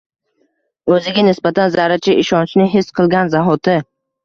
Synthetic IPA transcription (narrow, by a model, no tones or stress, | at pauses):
ɵzɪɡʲanɪsbat̪ʰanzaɾat͡ʃʰɪʔɪʃɒnt͡ʃʰnɪɦɪsːqʰɨlˠɡʲanzaɦɒt̪ʰɪ